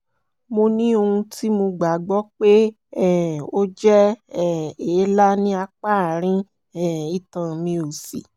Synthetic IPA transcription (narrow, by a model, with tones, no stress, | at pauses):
mo˧nĩ˦o˧hũ˧ti˦mo˧ɡ͡ba˨ɡ͡bɔ˦k͡pe˦ | ɛ˨o˦d͡ʒɛ˦ɛ˦˨eː˨˦la˦nĩ˦a˧k͡pa˦˨ɾ̃ĩ˦ | ɛ˦˨i˦˨tã˧mĩ˧o˨sḭ˨